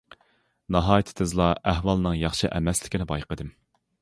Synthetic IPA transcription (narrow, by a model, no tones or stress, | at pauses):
nɑɦɑːjit̪ʰɪ̥t̪ʰɨzlˠɑʔæhwɑlˠnɨŋjɑχʃɪʔɛmɛslɪ̥kʲinɪbɑjqəd̪ɨm